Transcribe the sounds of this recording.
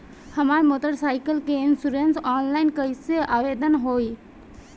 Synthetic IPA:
həmaɾmot̪əɾsaɪkəlkeinsuɾensɔnlaɪnkəiseʔaʋed̪ənɦoj

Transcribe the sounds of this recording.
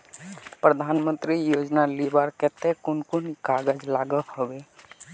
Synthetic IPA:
pɾəd̪ʱanmə̃nt̪ɾijod͡ʒnalibaɾkɛt̪ekʊnkunikaɡəd͡ʒlaɡəhobe

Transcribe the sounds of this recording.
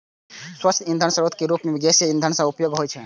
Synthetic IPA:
swəst̪ʰind̪ʱənsəɾot̪ʰkeɾupmeʋiɡ̪esjəĩnd̪ʱənsãupjoɡɦojt͡ʃʰɛ

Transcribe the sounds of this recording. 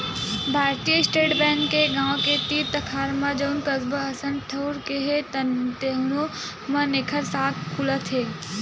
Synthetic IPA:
bʱaːɾt̪ijəɪsʈeːʈbɛ̃ːŋkːeɡãːõket̪iːɾt̪ɐkʰaːɾmãd͡ʒənkɐzbəɦɐsə̃nʈ̪ʰəːɾkeɦet̪t̪eɦnu | mɐ̃nekʰəɾsaːkkʰːulət̪ɦeː

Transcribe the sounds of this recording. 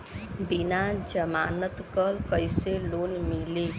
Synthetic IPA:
binad͡ʒəmanət̪kəlkəjselonmili

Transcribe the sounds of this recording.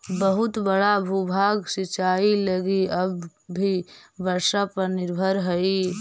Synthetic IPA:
bəɦut̪bəɽabʱubʱaɡsit͡ʃailəɡiəbː | ibəɾsapəɾnɪɾbʱəɾɦəi

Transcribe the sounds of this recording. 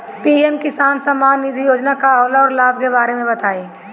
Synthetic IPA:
piːɛmkɪsaːnsəmaːnːɪd̪ʱijoːd͡ʒnakaɐʋlaɔːɾlaːbkebaːɾemẽbɐt̪aːiː

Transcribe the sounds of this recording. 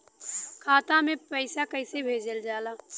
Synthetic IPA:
kʰaːt̪ãmẽpəɪsakəɪsebʱeːd͡ʒəld͡ʒaːlaː

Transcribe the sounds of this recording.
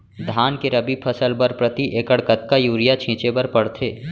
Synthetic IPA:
d̪ʱaːnkeɾɐbipʰɐsəlpɐɾpɾɐt̪iʔeːkəɽkət̪̚kajuːɾijat͡ʃʰĩːt͡ʃepɐɾpɐɽt̪ʰeː

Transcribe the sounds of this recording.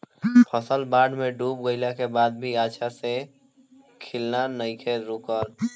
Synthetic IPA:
pʰəsəlbaːɖmẽɖuːp̚ɡəɪlakebaːd̪̚bʱiaːʃʰase | kʰɪlnanəɪkʰeɾʊkəl

